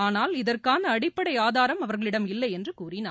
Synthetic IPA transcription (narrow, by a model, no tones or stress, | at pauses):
aːnaːlɪðɐrkaːnɐːɽɪpːɐɽɐɪaːðaːɾɐmɐʋɐɾɣɐɭɪɽɐmɪlːɐɪɛndrɯkuːrɪnaː